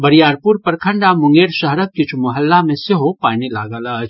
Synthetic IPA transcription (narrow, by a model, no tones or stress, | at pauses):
bɐɾijaːɾpuɾpɐɾkʰə̃ɳɖamʊ̃ŋɡeːɾʃəɦɾək̚kɪt͡ʃʰumɐɦəlːamẽseɦopaːnilaːɡəlat͡ʃʰ